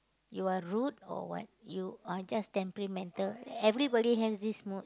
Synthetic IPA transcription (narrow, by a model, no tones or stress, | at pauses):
juaɹutɔ̰wɔ̰t̚juad͡ʒastɛ̃mpɛɹimɛ̃ntəlɛvɾibɔdiɦɛsdismut̚